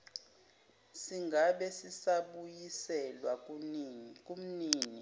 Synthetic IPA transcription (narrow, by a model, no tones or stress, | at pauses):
siŋɡʱaɓɛsisaɓujisɛlwa | k̬ʼum̩niːni